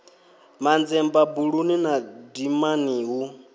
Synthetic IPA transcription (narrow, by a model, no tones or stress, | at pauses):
mand͡zɛmbabuɺuninadimaniːɦu